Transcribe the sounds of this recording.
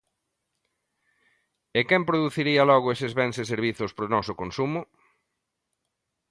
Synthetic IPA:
ekɛmpɾoðuθiɾiɐlɔɣ̞ʊesɪzβɛŋseseɾβ̞iθʊspɾonɔsʊkonsumʊ

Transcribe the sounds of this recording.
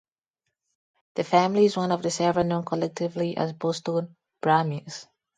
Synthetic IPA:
ðəfæ̃mliɪzwʌ̃nɔvðəsɛvɹənõnkʰɔlɛk̚tʰɪvliʔə̰zbɔstõn | b̥ɹamiz̥

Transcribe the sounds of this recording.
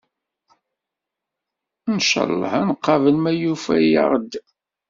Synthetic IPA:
nʃə̰lˤːə̰hænqːɑvənmæjufæjə̰ʁd̪

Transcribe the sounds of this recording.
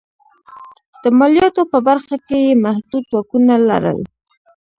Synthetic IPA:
d̪̥əmɑljɑt̪opəbaɾxakejemahd̪ud̪wɑkunala̰ɾə̰l

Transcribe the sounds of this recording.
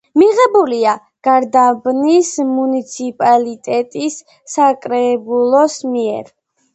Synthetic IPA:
miʁɛbulia | ɡ̥aɾd̪abnismunit̪sʰipʼalit̪ʼɛt̪ʼisː | akʼɾɛbulˠɔsmiɛ̰ɾ

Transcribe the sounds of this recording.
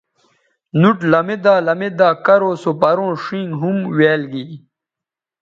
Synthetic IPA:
nuʈlɐmed̪aːlɐmed̪aːkɐɾoːsopɐɾõːʂĩŋɡɦumweːlɡi

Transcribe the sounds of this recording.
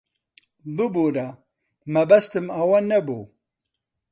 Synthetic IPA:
bɨbuɾɐ | mɐbɐst̪ɨmɐwɐnɐbu

